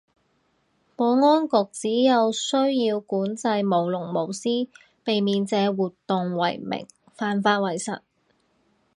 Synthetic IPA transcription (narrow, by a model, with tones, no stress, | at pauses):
pɔː˨˧ŋɔː˥nkʊ˨k̚t͡siː˨˥jɐ˨˧wsɵ˥ɥjiː˧wkuː˨˥nt͡sɐ˧jmo˨˩wlʊ˨˩ŋmo˨˩wsiː˥ | pe˨jmiː˨˧nt͡sɛː˨˧wuː˨t̪ːʊ˨ŋwɐ˨˩jmɪ̰˨˩ŋ | faː˨nfaː˧t̚wɐ˨˩jsɐ̰˨˩t̚